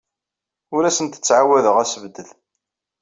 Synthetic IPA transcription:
ʊɾæsənt̪ə̥t͡sːʕawæðəʁæsəvd̪ːəð

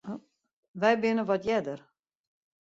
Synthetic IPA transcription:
ʋɛjbɪnəʋɔtjɛdər

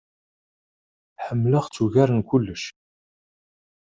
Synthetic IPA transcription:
ħəmːləʁt͡sːuʝæɾənkʷʊlːəʃ

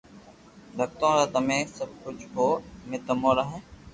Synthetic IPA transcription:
lək̚t̪õːɾaːt̪əmẽːsəb̚kʊd͡ʒʱkoːmɪt̪əmõːɾəɦẽː

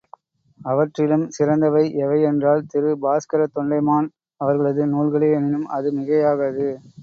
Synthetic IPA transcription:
ɐʋɐʈrɪlɯmsɪɾɐnd̪ɐʋɐɪʔɛʋɐɪɛndraːlt̪ɪɾɯbaːskɐɾɐt̪ɔɳɖɐɪmaːn | ɐʋɐɾɣɐɭɐðɯnuːɭɣɐɭeːnɪnɯmʔɐðɯmɪɣɐjaːɣɐðɯ

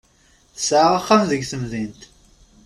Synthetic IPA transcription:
θsaʁaχːamðəɡθəmðint̪

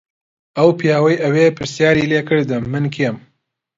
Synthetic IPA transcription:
ɐwpʰijaːwɐjɐweːpʰɨɾsjaːɾiːleːkʰɨɾd̪ɨmːɨnkʰijem

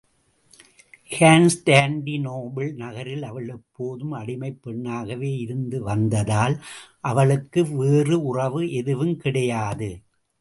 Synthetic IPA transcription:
haːnsʈaːɳɖinoːbɛɭnɐɣɐɾɪlɐʋɐɭɛpːoːðɯmɐɽɪmɐɪpːɛɳːaːɣɐʋeːɪɾɯnd̪ɯʋɐnd̪ɐðaːlʔɐʋɐɭɯkːɯʋeːrɯʊrɐʋɯɛðɯʋɯmkɪɽɐjaːðɯ

